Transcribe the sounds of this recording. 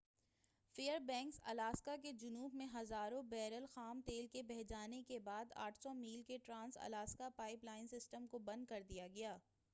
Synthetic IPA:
feːəɾbɛ̃ːŋksɐ̰laːskak̬ed͡ʒʊnuːbmẽɦɐzaːɾõbɛːɾəlxaːmt̪eːlkebɛɦd͡ʒaːnekebaːd̪a̰ːʈʰsɔmiːlkeʈɾãːnsɐ̰laːskapaːɪplaːɪnsɪsʈəmkobɐ̃nd̪̚kɐɾd̪ijaɡɐjaː

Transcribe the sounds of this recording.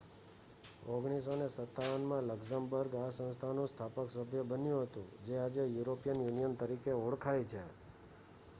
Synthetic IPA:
oɡɽ̃is̬onesət̪ːaʋənmãləɡsambəɾɡasə̃nst̪ʰanũst̪ʰapəksəbʱjəbənjũɦət̪ṵ̃d͡ʒead͡ʒejuɾopijənjunijənt̪əɾikeoɽkʰajt͡ʃʰe

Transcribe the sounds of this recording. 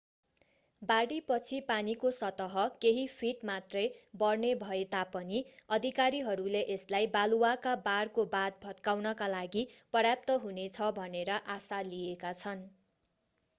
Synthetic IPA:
baɽipʌt͡sʰipanikosʌt̪ʌɦʌkeɦipʰiʈmat̪rʌjbʌrnebʱʌet̪apʌniʌd̪ʱikaɾiɦʌɾuleʔeslajbaluwakabarkobad̪̚bʱʌt̪kawnʌkalaɡipʌrjap̚t̪ʌɦunet͡sʰʌbʱʌneɾʌʔasaliekat͡sʰʌn

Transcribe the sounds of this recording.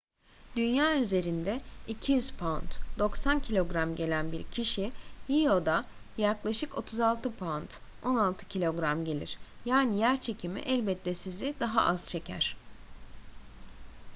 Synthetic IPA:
d̪̥ynjaːyze̞ɾind̪ɛicʰijyz̥pʰant̪d̪o̞ksancʰilʲo̞ɡɾamɟe̞lʲænbiɾcʰiʃilio̞d̪a | jaklˠaʃɯko̞̰t̪ʰuzalˠt̪ʰɯpʰant̪ | o̞nalˠt̪ʰɯ̥cʰilʲo̞ɡɾamɟe̞lʲḭɾ̥jaːnijæɾt͡ʃʰe̞cʰimḭʔɛlʲbɛt̪lːɛsizid̪aɦa̰ʔaz̥t͡ʃʰe̞cʰæ̰ɾ̥

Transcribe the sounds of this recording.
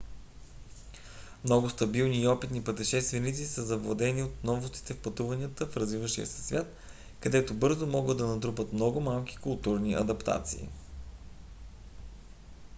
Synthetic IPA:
mnɔɡʊst̪ɐbilˠniːɔpit̪nipət̪ɛʃɛst̪vɛnit̪sisəzɐvlˠɐd̪ɛniot̪nɔvost̪i̥t̪ɛfpɐt̪uvɐnʲijət̪əfɾɐzvivəʃiə̰sɛ̥svʲjat̪̚ | kɐd̪ɛt̪obɤɾzomɔɡəd̪ɐnɐd̪ɾupət̪mnɔɡʊmalˠki̥kʊlˠt̪uɾniʔɐ̰d̪ɐpt̪a̰t̪sḭː

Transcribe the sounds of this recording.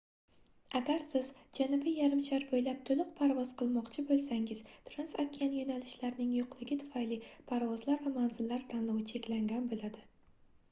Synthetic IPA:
aɡʲaɾsɪzd͡ʒanʊbɪjaɾɪmʃaɾbojlap̚t̪ʰolˠɨq̚pʰaɾvɒz̥qʰɨlˠmɒqt͡ʃʰɪbolˠsaŋɪz̥t̪ʰɾansakʲʰːijanjonalɪʃlaɾnɪŋjoqʰlˠɪɡʲɪt̪ʰʊ̥fajlɪpʰaɾvɒzlaɾvamanzɪlːaɾt̪ʰanlˠɒwɪt͡ʃʰe̞kʲlaŋɡʲanbolad̪ɪ

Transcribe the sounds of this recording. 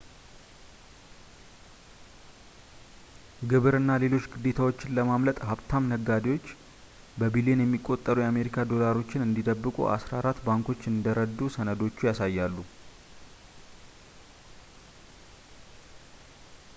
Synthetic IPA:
ɡɨβɨɾɨnːale̞lo̞t͡ʃːɡɨd̪ːe̞t̪ʰawo̞t͡ʃːɪnləmamlət̪ʼɦaβt̪ʰamnəɡːad̪iwo̞t͡ʃː | bəbilenjɛmːikʼːo̞t̪ʼːəɾujɛame̞ɾikʰad̪o̞laɾo̞t͡ʃːɪnɨnd̪id̪əbːɨkʼṵʔa̰sɾaɾat̪ːbaŋkʰo̞t͡ʃːɨnd̪əɾəd̪ːusənəd̪o̞t͡ʃːujasajːalːu

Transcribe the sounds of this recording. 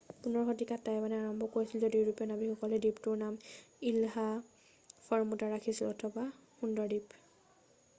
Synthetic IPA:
punɔɹxotikatːajmanɛaɹɔmbʱɔkoɹisilzodiɹupɔnabixɔkɔlɛdiptʊɹnamilɦa | fʰɔɹmutaɹakʰisilɔtʰɔba | xundɔɹdip

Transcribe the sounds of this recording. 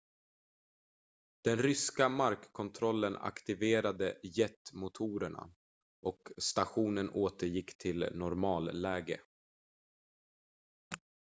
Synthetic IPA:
d̪̥ɛnɾʏskamaɾkkʰːɔnt̪ʰɾɔlːəna̰kt̪ɪveːɾad̪əjɛt̪mʊt̪ʰuːɾəɳa̰ | ʔɔkst̪aɧuːnənoːt̪əɾjɪkːt̪ʰɪlnɔɾmɑːlːɛːɡə̰

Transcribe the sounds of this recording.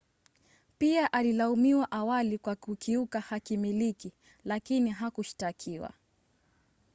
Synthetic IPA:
piaʔalilaumiwaʔawalikwakukiukahakimiliki | lakiniɦakuʃi̥takʰiwa̰

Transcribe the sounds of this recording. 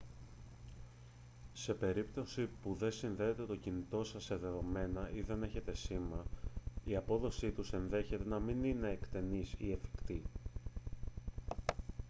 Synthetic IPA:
se̞pe̞ɾipt̪o̞sipuðe̞sinðeːt̪e̞t̪o̞cinit̪o̞sɐsːeðe̞ðo̞me̞nɐiðe̞ne̞çe̞t̪e̞simɐiɐpo̞ðo̞sit̪use̞nðe̞çe̞t̪e̞nɐminine̞ːkt̪e̞nisiefi̥kt̪i

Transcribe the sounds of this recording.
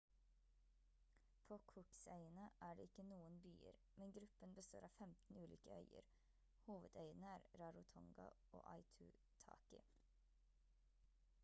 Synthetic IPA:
pʰoːkʰʊksœɪənəʔæːɖḛːɪkənuːənby̰ːə̰ɾ | mɛnɡɾʉpənbəst̪oːɾʔɑːfɛmt̪n̩ʉːliːkəœʏə̰ɾ | huːʋəd̪œʏənəæːɾɾɑːɾʊt̪ʰɔŋɡɑ̰ʔo̰ːʔɑɪt̪ʰʉːt̪ʰɑ̰ːkɪ

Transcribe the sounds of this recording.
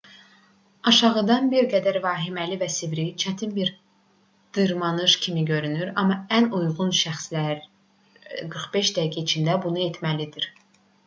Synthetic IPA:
ɑʃɑʁɯd̪ɑnbiɾɡæd̪æɾvɑːɦimælivæsivɾit͡ʃʰæt̪ʰinbiɾ | d̪̥ɯɾmɑnɯʃcʰimiɟø̞ɾynyɾɑmːɑænujʁunʃæxslæɾ | ɡɯɾχbe̞ʃd̪æiɡʲæit͡ʃʰind̪æbunuet̪ʰmælid̪iɾ

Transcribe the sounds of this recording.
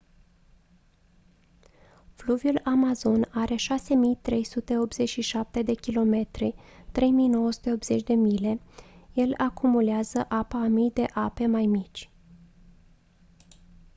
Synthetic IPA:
fluvjulamazo̞naɾe̞ʃase̞mijt̪ɾe̞jsut̪e̞o̞p̪z̥e̞t͡ʃʲʃiʃap̚t̪e̞d̪e̞kʲilo̞me̞t̪ɾit̪ɾe̞jmijno̞wəsu̥t̪e̞o̞pbz̥e̞t͡ʃʲd̪e̞mile̞je̞lakʰumuleazəʔapamijd̪e̞ʔape̞majmit͡ʃʲ

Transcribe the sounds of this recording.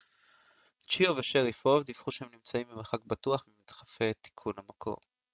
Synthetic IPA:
t͡ʃioveʃeʁifovd̪ifχuʃehemnimt͡saimːbimeχak̚batuaχmimit̪χafet̪i̥kʰunamakʰo̞̰ʁ

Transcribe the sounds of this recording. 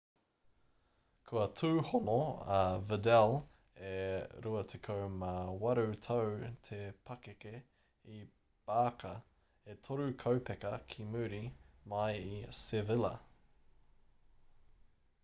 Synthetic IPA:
kʰuɐtʰʉːhonoɐvədɛl | eɾuɐt̪ʰekʰowmawɐɾut̪ʰowt̪ʰepʰɐkeke | i | b̥aːkʰɐ | et̪ʰoɾʉkʰowpʰɛkɐkʰimʉːɾimɐjisɪvɪlɐ̰

